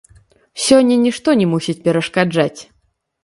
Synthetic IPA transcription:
sʲɔnʲːɐnʲiʂt̪ɔnʲɛmusʲit͡sʲpʲɛɾɐʂkad͡ʐat͡sʲ

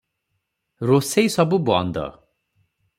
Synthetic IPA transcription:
rosejsʌbubʌ̰nd̪ʌ̰

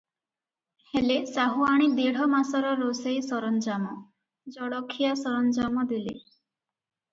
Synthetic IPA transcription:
helesaɦuaɽ̃id̪eɽ̤ɔmasɔɾɔɾosejsɔɾɔnd͡ʒamɔ | d͡ʒɔɽɔkʰːijasɔɾɔnd͡ʒamɔd̪ilḛ

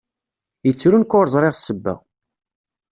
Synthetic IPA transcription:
jət͡sːɾunkʊɾˤzˤɾˤeʁsːəbːæ̰

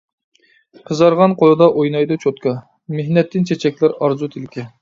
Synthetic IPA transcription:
qʰəzɑɾʁɑnqʰolˠɨd̪ɑʔojnɑjd̪ɑt͡ʃʰot̪kʰɑ | mehnɛt̪ːɪnt͡ʃʰet͡ʃʰɛk̚ʲlæɾɑɾzut̪ʰɪlɪkʲʰɪ

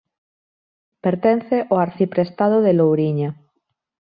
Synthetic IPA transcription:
peɾt̪enθeʔoaɾθipɾest̪að̞oðelowɾiɲa

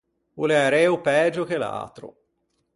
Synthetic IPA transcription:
uleaɾɛːupɛːd͡ʒok̟ela̰ːt̪ɾo̰

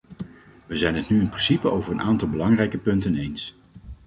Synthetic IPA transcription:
ʋəzɛjnɦətnyɪnprɪnsipəʔowvəɹənʔaːntɑlˠbəlɑŋrɛjkəpɵntənejns

